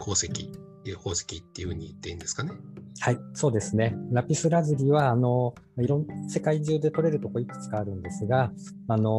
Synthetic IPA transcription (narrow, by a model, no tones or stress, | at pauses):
kʰo̞ːsekʲi | ho̞ːse̥kʲit̪ːeiɯ̟hɯ̟ːɲ̟iit̪ːeĩnd̪esɨ̥kanehaiso̞ːd̪e̞sɨne̞ɾapʲisɨɾazɨɾʲiβ̞aːno̞ | maiɾõ̞nːse̞kaiʑɨːd̪e̞t̪o̞ɾe̞ɾɯ̟t̪o̞ko̞ikɯ̟̥t͡sɨ̥kaːɾɯ̟̃nd̪e̞sɨɡa | ano̞